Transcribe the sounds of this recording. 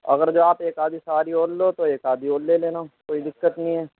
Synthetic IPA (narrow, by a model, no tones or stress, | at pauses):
ɐ̰ɡəɾd͡ʒoːaːpeːkaːd̪isɐʋaːɾiɦoːllot̪oeːkaːd̪iɦoːlleleːnakoːid̪ɪkːət̪nəɦĩɦɛː